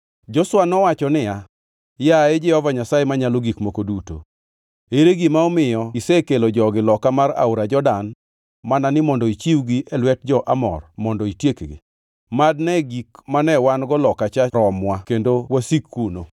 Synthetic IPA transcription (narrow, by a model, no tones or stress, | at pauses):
d͡ʒɔswanɔwat͡ʃɔnɪja | jaed͡ʒɛhɔvaɲasaemaɲaloɡikmokoduto̰ | eɾeɡimaɔmɪjɔisekelod͡ʒɔɡɪlɔkamaɾa̰uɾad͡ʒɔdan | mananɪmɔndɔit͡ʃiwɡiʔɛlwɛt̚d͡ʒɔʔamɔ̰rmɔndɔitjekɡḭ | madnɛɡikmanɛwanɡɔlɔkat͡ʃaɾɔmwakendowasikːuno